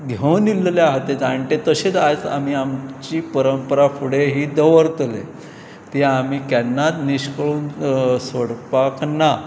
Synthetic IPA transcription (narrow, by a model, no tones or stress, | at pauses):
ɡ̪ʱəwnilleaɦət̪ːet͡saəɳʈet̪əɕet͡sat͡sa̰m̤iamt͡ɕiːpəɾəmpəɾafʰuɽeɦiːd̪əʋəɾt̪le | t̪iamiːkɛnːat̪niɕkəɭuːnsoɽpakna